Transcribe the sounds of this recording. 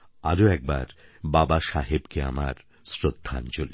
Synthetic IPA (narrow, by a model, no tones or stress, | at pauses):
aɾoɛk̚ba̰ɾbabaʃaɦebkea̰ma̰ɾ | sɾod̪ʱːa̰nt͡ɕoli